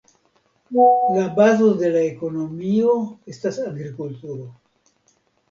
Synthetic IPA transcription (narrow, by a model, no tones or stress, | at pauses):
labazo̞de̞laeko̞no̞mio̞e̞stasaɡɾikultuɾo̞